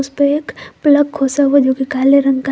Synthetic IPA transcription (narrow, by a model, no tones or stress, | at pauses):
ʊspeeːkpləkkʰosaʋod͡ʒoːkikaːleɾə̃ŋɡka